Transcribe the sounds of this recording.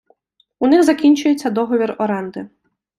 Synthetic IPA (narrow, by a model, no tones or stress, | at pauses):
unɪɣzɐkʲinʲt͡ʃʊjet͡sʲːɐd̪ɔɦɔʋʲirɔɾɛnd̪ɪ